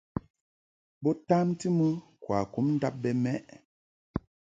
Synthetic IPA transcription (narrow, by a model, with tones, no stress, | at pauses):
bɔ˦ta˦mti˦mə˦kwa˨ku˨˦mn̩˦da˦p̚bɛ˨mɛ˦ʔ